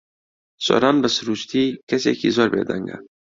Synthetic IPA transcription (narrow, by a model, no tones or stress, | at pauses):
so̰ɾɑnbəsɾuʃt̪ʰikɐsḛːkizoɾbḛːd̪a̰ŋɡa̰